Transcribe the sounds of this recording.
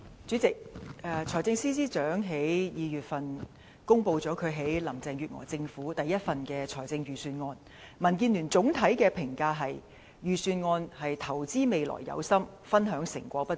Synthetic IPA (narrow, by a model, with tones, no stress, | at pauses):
t͡syː˨˥t͡sɪ˨k̚ɛ˨t͡ʃʰɔː˨˩jt͡sɪ˧ŋsiː˥s̬iː˥t͡ʃœː˨˥ŋɦe˨˥jjiː˨˧jyː˨t̚fɐ˨n | kʊ˥ŋpo˧wt͡sɔː˨˥kʰɵ˨˧ɥɦe˨˥jlɐ˨˩mt͡sɛː˨ŋɥyː˨t̚ŋɔ̰ː˨˩t͡sɪ˧ŋfuː˨˥t̪ɐ˨jːɐ˥t̚fɐ˨nkɛː˧t͡ʃʰɔː˨˩jt͡sɪ˧ŋjyː˨˩syː˧nŋɔː˧n | mɐ˨˩nk̬iː˧nlyː˨˩nt͡sʊ˨˥ŋt̪ʰɐ˨˥jkɛː˧pʰɪ˨˩ŋkaː˧ɦɐ˨j | jyː˨syː˧nŋɔː˧nhɐ˨jt̪ʰɐ˨˩wt͡siː˥me˨jlɔ̰ː˨˩jːɐ̰˨˧wsɐ˥m | fɐ˥nɦœː˨˥ŋsɪ˨˩ŋkʷɔː˧˥pɐ˥t